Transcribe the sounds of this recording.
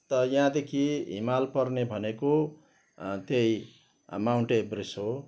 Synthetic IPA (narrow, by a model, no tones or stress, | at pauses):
t̪ʌjɦãd̪ekʰiɦḭmalpʌrnebʱʌneko | t̪jej | mawɳʈebrisɦo